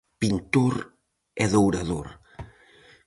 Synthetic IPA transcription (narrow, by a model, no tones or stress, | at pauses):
pint̪oɾ | ɛðowɾaðoɾ